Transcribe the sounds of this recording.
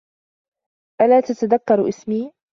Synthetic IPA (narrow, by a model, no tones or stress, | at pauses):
ʔalaːt̪at̪aðakːɑɾˤʔɪsmiː